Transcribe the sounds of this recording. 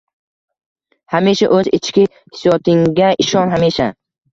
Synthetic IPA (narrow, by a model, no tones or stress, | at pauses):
hameʃa̰ʔɵzɪt͡ʃkʲɪ | hɪ̥sjɒt̪ʰɪŋɡʲaɪʃɒnɦameʃa